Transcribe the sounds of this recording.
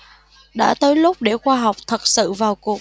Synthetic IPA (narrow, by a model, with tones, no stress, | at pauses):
ɗa̰ː˧˥t̪əː˨˦jlʊ˦˥k͡p̚ɗe˧˩xwaː˧ɦa˨˩wk͡p̚t̪ʰə˨˩t̚sɨ̰˧˨vaː˨˩wku˨˩ək̚